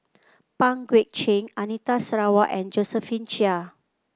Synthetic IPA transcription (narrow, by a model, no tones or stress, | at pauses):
pãŋɡwik̚t͡ʃẽŋanit̪asɹawaʔɛ̃nd͡ʒɔsəfĩnt͡ʃia